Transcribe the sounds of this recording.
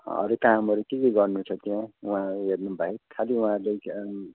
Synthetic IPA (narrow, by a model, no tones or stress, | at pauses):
ʌ̰ɾet̪aɦamʌɾukekeɡʌrnut͡sʰʌt̪iãũɦãɦernubʱaekʰaliũɦãɾlej